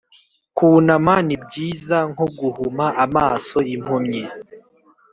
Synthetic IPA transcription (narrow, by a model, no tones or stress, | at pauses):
kuːnamanibɟiːzaŋhoɡuhumaʔamaːso̞im̥humɲe